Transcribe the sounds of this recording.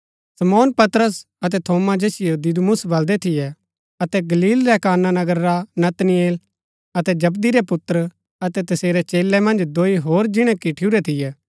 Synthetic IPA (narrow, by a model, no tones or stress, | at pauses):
sɐmoːnpɐt̪ɾəs | ɐt̪̬ɛt̪ʰoːmad͡ʒeːsɪjod̪ɪd̪mʊsbɐld̪ɛt̪ʰɪjɛ | ɐt̪ɛɡɐliːlɾɛkaːnːanɐɡəɾːanɐt̪nɪjeːl | ɐt̪ɛd͡ʒɐbd̪iɾɛpʊt̪ːəɾ | ɐt̪ɛt̪ɐseːɾɛt͡ʃeːlːɛmɐ̃nd͡ʒd̪oːiɦoːɾd͡ʒɪɽ̃ɛ̃kɪʈʰuɾɛt̪ʰɪjɛː